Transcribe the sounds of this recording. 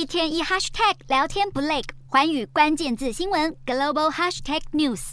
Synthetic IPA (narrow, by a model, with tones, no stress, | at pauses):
i˥˧t̪ʰjɛ˥ni˥˧xa˥ʂt̪ʰɛ˥˩k̚ljɑ˧˥ʊt̪ʰjɛ˥npu˧˥le˥˩ɪkxwa˧˥ny˨˩kwa˥nt͡ɕjɛ˥˧nt͡sɹ̩˥˩ɕi˥ŋwə˧˥nɡə˨˩lo˥˧bo˧ʊxa˥ʂt̪ʰɛ˥˩k̚nju˥˩s